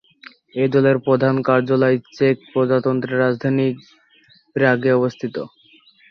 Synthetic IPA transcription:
ed̪ɔleɾpɾod̪ʱankaɾd͡ʑoloet͡ɕek̚pɾod͡ʑat̪ont̪ɾeɾad͡ʑd̪ʱani | pɾaɡeɔbost̪ʰit̪o

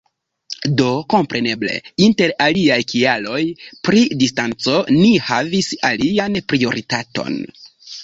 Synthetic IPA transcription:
do̞ko̞mpɾʔe̞ne̞ble̞̰inte̞ɾaliajkialo̞jpɾidistant͡so̞nihavisalianpɾio̞ɾʔitato̞̰n

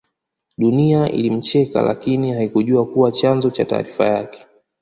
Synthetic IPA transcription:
ɗuniaʔḭlim̩t͡ʃɛka̰la̰kinihaikuʄuakuwat͡ʃanzɔt͡ʃa̰ta̰ːɾifa̰jakɛ̥

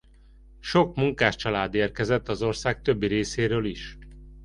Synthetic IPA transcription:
ʃo̞kmuŋkaːʃt͡ʃɒlaːd̪eːrkɛzɛt̪ːɒzo̞rsaːk̚t̪ø̞bːiɾeːseːɾøːliʃ

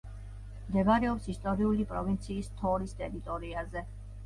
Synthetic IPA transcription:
md̪ɛɡaɾɛɔpsist̪ʼɔɾiulipʼɾɔvint̪sʰiːst̪ʰɔɾist̪ʼɛɾit̪ʼɔɾiazɛ

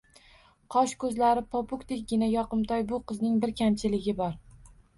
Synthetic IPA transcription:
qʰɒʃkʰɵzlaɾɪpʰɒpʊkd̪ekʲɡʲɪnajɒqɨmt̪ʰɒjbʊqʰɨznɪŋbɪɾkʲʰamt͡ʃʰɪlɪɡʲɪbɒɾ

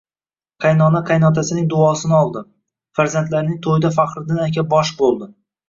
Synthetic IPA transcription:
qʰajnɒnaqʰɑjnɒt̪ʰasɪnɪŋd̪ʊɒsɪnɪɒlˠd̪ɪ | faɾzant̪laɾnɪŋt̪ʰojɪd̪afaqɾɪd̪ɪnakʲʰabɒʃbolˠd̪ɪ

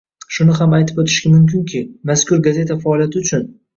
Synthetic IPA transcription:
ʃʊnɪɦamajt̪ʰɪ̥bot̪ʰɪʃkʲamʊmkʲɪnkʲʰɪmaskʊɾɡaze̞t̪ʰafaːlˠjat̪ʰɪʊt͡ʃʰʊn

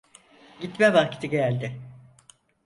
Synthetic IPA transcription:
ɟit̪mɛvacʰi̥t̪ʰiɟælʲd̪ɪ

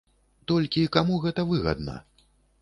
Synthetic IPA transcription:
t̪ɔlʲkʲiːkamuɣɛt̪ɐvɨɣɐ̰d̪nɐ̰

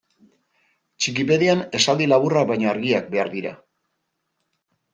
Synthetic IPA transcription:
t͡ʃik̬ipe̞ðeane̞sald̪ilaβurakβajɲoaɾɣiak̚be̞aɾðiɾa̰

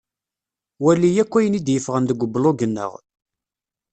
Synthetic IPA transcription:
wælːijækʷːæjənid̪jəfʁənd̪əɡʷəbːloɡənːə̰ʁ

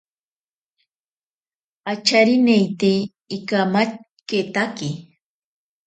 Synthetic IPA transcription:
at͡ʃaɾɪnejt̪eː | kamat͡ʃ | ket̪akɪ

